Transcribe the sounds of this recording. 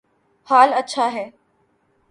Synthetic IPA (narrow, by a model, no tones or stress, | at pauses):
haːlətːɕʰaɦɛː